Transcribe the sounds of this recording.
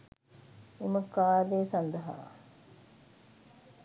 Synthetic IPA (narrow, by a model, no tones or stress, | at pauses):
iməkaːd̪eːsand̪əɦa̰ː